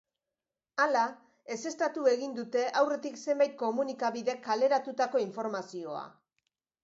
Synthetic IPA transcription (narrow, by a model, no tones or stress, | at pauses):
ala | e̞se̞st̪at̪ue̞ɣind̪ut̪e̞ʔawre̞t̪ikse̞mbajt̪̚ko̞munikaβiðe̞kale̞ɾat̪ut̪ako̞iɱfo̞ɾmasio̞a̰